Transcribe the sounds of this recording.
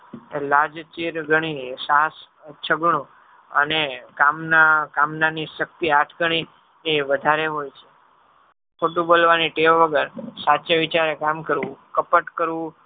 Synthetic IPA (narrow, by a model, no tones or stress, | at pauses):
lad͡ʒt͡ʃiɾɡəɽ̃isas | t͡ʃʰəɡɳ̃ũ | ənekamnakamnaniʃək̚t̪iaʈʰɡəɳ̃i | eʋəd̪ʱaɾeɦojt͡ʃʰe̥ | kʰoʈũbolʋaniʈeʋʋəɡəɾsat͡ʃeʋit͡ʃaɾekamkəɾʋũkəpəʈkəɾʋũ